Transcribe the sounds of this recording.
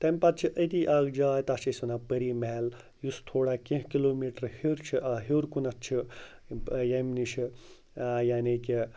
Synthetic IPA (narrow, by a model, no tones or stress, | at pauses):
t̪ɐmpat̪̚t͡ʃʰiʔət̪iʔaɡd͡ʒaːjt̪at͡ʃʰisunapəɾiːmel | just̪ʰoːɽakĩɦkiloːmiːʈɐɾhiɾt͡ʃʰiʔaɦiwɾkunɐt̪t͡ʃʰi | jemnit͡ʃʰi | jaːniki